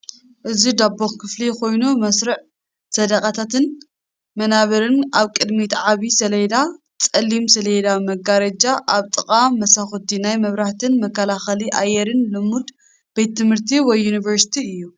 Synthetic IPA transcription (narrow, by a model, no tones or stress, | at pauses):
ʔɨzid̪abːoxkʰɨflikʰo̞jnumɐsɾɨʕ | sɐd̪ɐkʼat̪ʰat̪ɨn | mɐnaβɐɾɨnaβkʼɨd̪mit̪ʰʕaβisɐlɐjd̪a | t͡sʼɐlːimsɐlɐjd̪amɐɡaɾɐd͡ʒaʔaβt̪ʼɨkʼamːɐsaxut̪inajmɐβɾaht̪ʰɨnmɐkːɐlaxɐliʔajːɛɾɨnlɨmud̪ | b̥et̪ːɨmhɨɾt̪ʰiwɔjːunivɐɾsi̥t̪ʰiɨjːu